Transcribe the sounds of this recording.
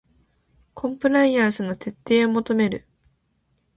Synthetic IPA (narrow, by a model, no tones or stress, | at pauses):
kʰõ̞mpɯ̟ɾaiaːsɨno̞t̪e̞t̪ːe̞ːo̞mo̞t̪o̞me̞ɾɯ̟̰